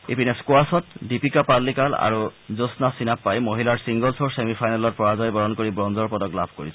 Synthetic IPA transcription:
epinɛskoasɔtdipikapalːikala̰ɹuzosnasinapːajmoɦilaɹsiŋɡɔlsoɹsemipʰajnalɔt̚pɹɔɹazɔjbɔɹɔnkoɹibɹɔnzɔɹpɔdɔklabʱkoɹisɔ

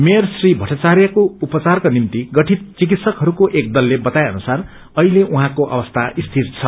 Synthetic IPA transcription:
mejrsribʱʌʈat͡sarjʌkoupʌt͡sarkonimt̪iɡʌʈʰit̪̚t͡sik̬it̪sʌkɦʌɾukoʔek̚d̪ʌlːebʌt̪ajʌ̰nusar | ʌɦileʔuɦãkoʔʌ̰bʌst̪ʰaist̪ʰirt͡sʰʌ

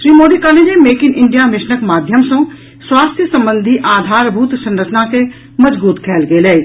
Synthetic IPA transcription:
ʃɾiːmoːɖikaːled͡ʒemeːkɪnɪ̃ɳɖijamɪʃnəkmaːd̪ʱjəmsõ | swaːst̪ʰjəsɐ̃mbə̃nd̪ʱiʔaːd̪ʱaːɾbʱuːt̪sɐ̃nɾət͡ʃənãke | mɐd͡ʒbuːt̪kʰɛːlɡeːleː

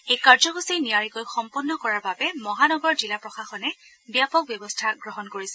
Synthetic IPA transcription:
ejkaɹzɔɡusijnijaɹikɔjxɔmpɔnːɔkɔɹaɹbabɛmɔɦanɔɡɔɹzilapɹɔxaxɔnɛ | bjapɔk̚bjɔbɔstʰaɡɹɔɦɔnkoɹisɛ

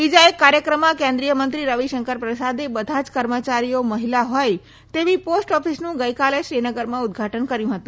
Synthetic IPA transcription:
bid͡ʒaekːaɾjəkɾəmãkẽnd̪ɾijəmənt̪ɾiɾəʋiʃəŋkəɾpɾəsad̪ebəd̪ʱad͡ʒkəɾmət͡ʃaɾioməɦilaɦoj | t̪eʋiposʈɔfʰisnũɡəjkaleʃɾinəɡəɾmãʊd̪̚ɡʱaʈənkəɾjũɦət̪ũ

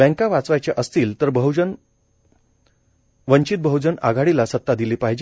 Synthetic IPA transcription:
bɛ̃ŋkaʋat͡sʋajt͡ɕjaʔəst̪iːlt̪əɾbəɦd͡ʑən | ʋəɲt͡ɕit̪̚bʱəɦud͡ʑəna̰ɡʱaɽilasət̪ːad̪iliːpaɦd͡ʑ

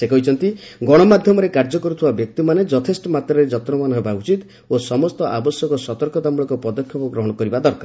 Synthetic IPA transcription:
sekɔɦit͡ʃʰɔnt̪iɡɔɽ̃ɔmad̪ʱjɔmɔɾekaɾd͡ʒɔkɔɾut̪ʰubabjɔk̚t̪imaned͡ʒɔt̪ʰesʈɔmat̪ɾɔɾed͡ʒɔt̪ɾɔmanɔɦebaut͡ʃit̪ | osɔmɔst̪ɔʔabɔsjɔkɔsɔt̪ɔɾkɔt̪amuɭɔkɔpɔd̪ɔkʰjɔpuɡɾɔɦɔɽ̃ɔkɔɾibad̪ɔɾkaɾ

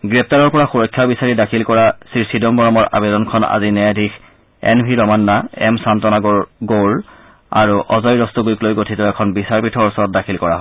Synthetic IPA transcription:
ɡɹɛp̚taɹɔɹpɔɹaxuɹɔjkʰːjabisaɹidakʰilkɔɹasiɹsidɔmbɔɹɔmɔɹʔa̰bɛdɔnkʰɔna̰zinɛjadʱix | ɛ̰nbʱiɹɔmanːaɛ̰msantɔnaɡɡol | a̰ɹuʔɔzɔjɹɔstuɡujklojɡotʰitɔɛkʰɔnbisaɹpitʰɔɹɔsɔɹɔt̚dakʰilkɔɹa̰ɦ

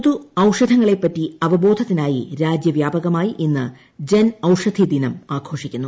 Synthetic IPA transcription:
ðuɐwʂɐd̪ʱɐŋːɐɭepːɐtːiɐʋɐbo̞ːd̪ʱɐt̪ːinaːjiɾaːd͡ʑjɐʋjaːbɐɣɐmaːjiʔenːɨ | d͡ʑɐnɐwʂɐd̪ʱid̪inɐmaːɡʰʱo̞ːʂikʲːunːu

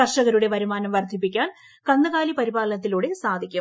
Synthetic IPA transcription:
ɐʂɐɣɐɾuɽe̞ʋɐɾumaːnɐmʋɐrd̪ʱːipːikʲːaːn | kɐnːɐɣaːlipɐɾibaːlnɐt̪̬ːiluːɽesaːd̪ʱikʲːu

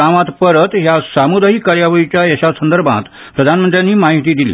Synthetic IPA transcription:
aʋãt̪pəɾət̪jasamud̪əɦiːkaɾjaʋəɭit͡ɕjajəɕasənd̪əɾbʱã̰t̪ | pɾəd̪ʱanmənt̪ɾjanːiːmaiʈ̪iːd̪ilḭː

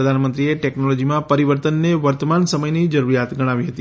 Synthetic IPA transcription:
əd̪ʱanmənt̪ɾieʈeknolod͡ʒimãpəɾiʋəɾt̪ənːeʋəɾt̪əmansəməjnid͡ʒəɾuɾijat̪ɡəɽ̃aʋiɦət̪i

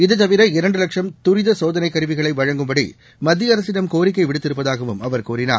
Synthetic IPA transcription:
ɪðɯt̪ːɐʋɪɾɐɪɾɐɳɖɯlɐkʂɐmt̪ʊɾɪðɐsoːðɐnɐɪkːɐɾɯʋɪɣɐɭɐɪʋɐɻɐŋɡɯmbɐɽḭ | mɐd̪ːɪjɐɾɐsɪðɐmkoːɾɪk̬ːɐɪʋɪɽɯt̪ːɪɾɯpːɐðaːɣɐʋɯmɐʋɐɾkuːɾɪna̰ː

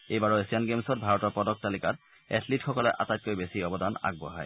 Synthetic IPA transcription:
ejbaɹɔesianɡemsɔt̚bʱaɹɔtɔɹpɔdɔk̚talikaɹ | ɛ̰tʰlitxɔkɔlɛʔa̰tajt̚kojbesiɔbɔdana̰ɡ̚bʊ̰a̰ɦɔ̰j

